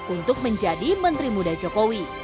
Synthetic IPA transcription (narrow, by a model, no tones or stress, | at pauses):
unt̪ʊk̚məɲd͡ʒadimənt̪ɾimudad͡ʒokowi